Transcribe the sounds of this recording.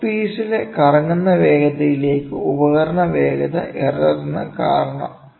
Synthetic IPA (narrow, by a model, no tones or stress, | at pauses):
piːsilekɐrɐŋːunːɐʋeːɡɐd̪ɐjile̞ːkːɨubɐɣɐɾɐɳɐʋeːɡɐd̪ɐ̰ʔerɐɾɐnːɐ̰kaːɾɐɳɐ̰m